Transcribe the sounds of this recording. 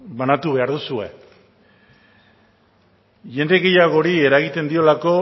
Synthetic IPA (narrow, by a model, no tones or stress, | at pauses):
βanat̪uβe̞aɾðusue̞̰ | ʝe̞nd̪eɣe̞jaɣo̞ɾie̞ɾaɣ̞it̪e̞nd̪io̞lako̞